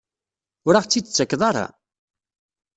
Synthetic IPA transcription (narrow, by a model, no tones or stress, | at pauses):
ʊɾaʁt͡sːit͡sːəkːðˤɑɾˤɑ̰